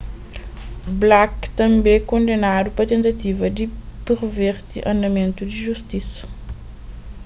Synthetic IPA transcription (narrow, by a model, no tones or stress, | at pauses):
blakt̪ɐ̃mbẽkõnd̪enad̪upɐt̪ẽnt̪ɐt̪ivɐd̪ipeɾveɾt̪iʔɐ̃nd̪ɐmẽnt̪ud̪iʒust̪isɐ̥